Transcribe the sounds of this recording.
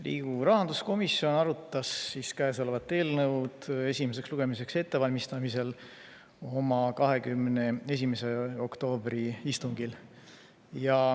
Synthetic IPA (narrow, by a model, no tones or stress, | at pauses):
lḭːɡ̥uɾɑɦɑnd̪̥usko̞misio̞nɑɾut̪ːˑɑsːiskæesolevɑt̪ːe̞ːlnɤwt̪e̞sʲimese̞ksluɡ̥e̞mise̞kse̞t̪ːe̞vɑlʲmist̪ɑmise̞l | o̞mɑkɑɦe̞kymːnee̞s̬ʲimese̞o̞kt̪o̞ːb̥ɾiist̪uŋɡ̥il | jɑ